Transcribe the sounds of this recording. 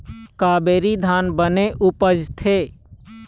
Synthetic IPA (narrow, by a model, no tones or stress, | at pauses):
kaːbeːɾid̪ʱaːnbəneʔʊpəd͡ʒt̪ʰeː